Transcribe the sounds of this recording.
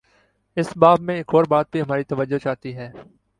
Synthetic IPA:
ɪsbaːbmẽɪkoːɾbaːt̪̚bʱiɦɐmaːɾit̪ɐʋəd͡ʒːot͡ʃaːt̪iɦɛː

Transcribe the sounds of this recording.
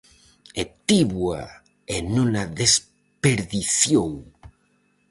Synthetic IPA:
et̪iβwa | enunaðes | peɾðiθjow

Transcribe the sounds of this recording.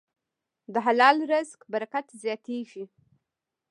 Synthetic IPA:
d̪əɦalɑlɾəzkbaɾakat̪zjɑt̪ʰeʒi

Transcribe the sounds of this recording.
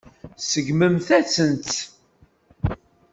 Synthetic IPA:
səɡməmθæt͡sənt̪

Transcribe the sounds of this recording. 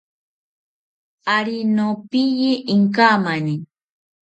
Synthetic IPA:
aɾinopijiʔɪŋkaːmani

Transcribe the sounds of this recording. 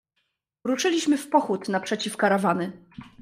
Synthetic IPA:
ɾuʂɘlʲiɕmɘfpɔxut̪napʂɛt͡ɕifkaɾavanɘ

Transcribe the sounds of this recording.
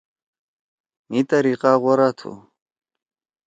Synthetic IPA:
mit̪ɐɾiːqaːʁwɐɾat̪ʰṵ

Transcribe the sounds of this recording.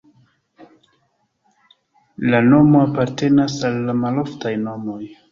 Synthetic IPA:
lano̞mo̞apaɾte̞nasalːamaloftajno̞mo̞j

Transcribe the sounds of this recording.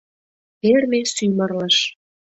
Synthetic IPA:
permesymərləʃ

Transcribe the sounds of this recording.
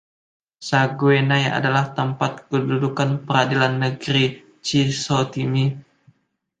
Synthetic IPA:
saɡwenaja̰dalaht̪əmpat̪̚kədudukanpəɾadilanːəɡɾi | t͡ʃisot̪imi

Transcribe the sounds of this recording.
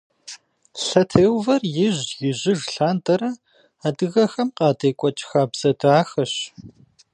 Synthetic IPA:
ɬɐtʰeːwvɐrjɪʑjɪʑɪʒɬaːntʰʼɐɾɐ | adɨɣɐxɐmqɑːdʰeːkʷʼɔt͡ʃʼxaːbz̥ɐdaːxɐɕ

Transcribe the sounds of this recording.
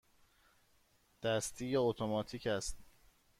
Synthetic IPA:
d̪̥æst̪ʰiːjeot̪ʰomɒːt̪ʰiːcæst̪

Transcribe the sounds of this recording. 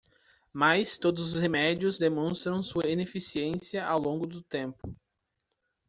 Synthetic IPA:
majst̪od̪ʊzʊshemɛd͡ʒiʊzd̪emõst̪ɾɐ̃w̃suɐinefisiẽsiɐʔawlõŋɡʊd̪ʊt̪ẽmpʊ

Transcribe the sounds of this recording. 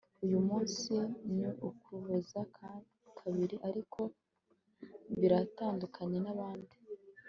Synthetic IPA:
ujumuːnsiniʔukuβozakʰaikʰaβiɾiʔaɾikʰo̞ | βiɾataːndukʰaɲe̞naβaːndi

